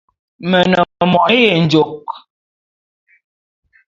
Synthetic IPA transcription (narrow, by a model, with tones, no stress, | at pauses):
mə˨nɔ˨mɔ˨˦je˨n̩˨˦d͡ʒo˨k̚